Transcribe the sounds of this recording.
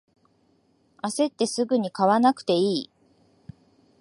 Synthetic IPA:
ase̞t̪ːe̞sɨɡɯ̟ɲ̟ikaβanakɯ̟̥t̪e̞iː

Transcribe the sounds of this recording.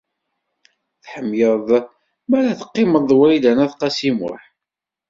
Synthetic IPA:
θħəmːjəðˤ | mæɾæθə̥qːɪməððˤwɾilænæðqɑsimʊ̰ħ

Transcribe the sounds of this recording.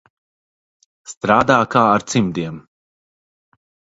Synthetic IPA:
st̪ɾaːd̪aːkaːaɾt̪simd̪iɛm

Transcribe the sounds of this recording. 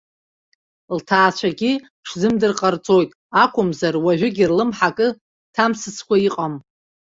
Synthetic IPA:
ltʰaːt͡ʃʷʰaɡʲi | ʂzɨmdɨrqʼart͡sʼo̞jtʼ | akʷʰʊmzarwaʒʷᶣʊɡʲirlɨmħakʼɨ | tʰamsɨt͡sʰkʷʰaiqʼam

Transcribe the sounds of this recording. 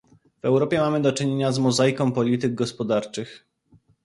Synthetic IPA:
vɛwɾɔpʲjɛmamɘd̪ɔt͡ʂɘɲeɲazmɔzajkɔ̃w̃pɔlʲit̪ɘɡ̚ɡɔspɔd̪aɾt͡ʂɘx

